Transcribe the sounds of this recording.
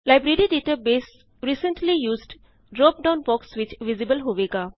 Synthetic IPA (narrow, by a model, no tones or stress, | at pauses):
laɪbɾeɾiɖeːʈabeːs | ɾiːsə̃ɳʈlijuːzɖ | ɖɾɔːp̚ɖãʊ̃nbɔksʋɪt͡ʃʋizibəlɦoʋeɡa